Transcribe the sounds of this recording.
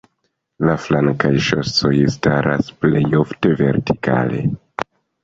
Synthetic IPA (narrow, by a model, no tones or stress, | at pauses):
laflaŋkajʃo̞so̞jstaɾʔasple̞jofte̞ve̞ɾti̥ka̰le̞̰